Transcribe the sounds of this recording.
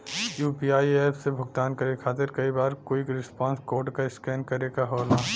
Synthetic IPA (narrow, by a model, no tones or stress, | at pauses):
juːpiaːieːpʰsebʱʊɡt̪aːnkɐɾekʰaːt̪ɪɾkɐibaːɾkoːikɾɪspãːnskoːʈkaɪskɛːnkɐɾekaɦoːlaː